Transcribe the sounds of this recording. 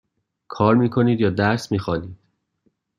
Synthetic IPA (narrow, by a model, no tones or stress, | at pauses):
kʰɒːɾmiːkʰo̞niːd̪jɒːd̪æɾsmiːxɒːniːd̪̥